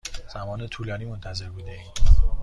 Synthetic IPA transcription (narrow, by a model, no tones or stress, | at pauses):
z̥æmɒːnet̪ʰuːlɒːniːmo̞nt̪ʰæze̞ɾbuːd̪ei